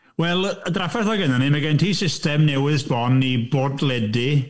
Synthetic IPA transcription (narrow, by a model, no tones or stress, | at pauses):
wɛlˠədrafɛθɔɡənanimaɡɛntʰiːsɪstɛmnɛwɪsbɔniboːdlˠɛdi